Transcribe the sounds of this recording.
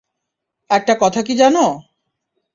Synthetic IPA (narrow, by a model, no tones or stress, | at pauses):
ɛk̚ʈakɔt̪ʰak̬id͡ʑano